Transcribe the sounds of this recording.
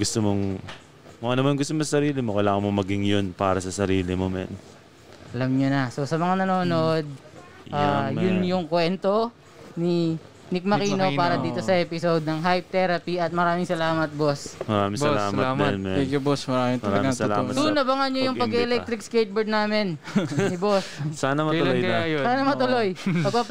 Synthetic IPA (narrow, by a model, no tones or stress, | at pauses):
ɡʊst̪omoŋ | mɐɡanɐmanɡʊst̪omosɐsɐɾiːlɪmokɐjlaːŋɐmomɐɡɪŋjonpaːɾɐsɐsɐɾiːlɪmomɛ̰n | ʔʔɐlɐmɲonɐso̞sɐmɐŋanɐnoːnod̪̚ | ʔaːjʊnjʊŋkwɛnt̪o̞ | ni | nɪk̚mɐkiːnopaːɾɐd̪iːt̪o̞sɐʔɛːpɪsod̪̚nɐŋɦajp̚t̪ɛɾɐpiɐt̪̚mɐɾaːmɪŋsɐlaːmɐt̪̚bosmɐɾaːmɪŋbɐlaːmɐamɐnmɛɛkjubosmɐɾaːmɪŋtɐɾɐaɡɐɐʊlasunɐbɐŋɐɲojʊŋpɐɡɛʔɛlɛk̚t̪ɾɪk̚skejt̪̚bɛɹd̪̚naːmɪn | nɪbossaːnɐmɐʊojajsaːnɐmɐt̪ʊlojpɐɡpap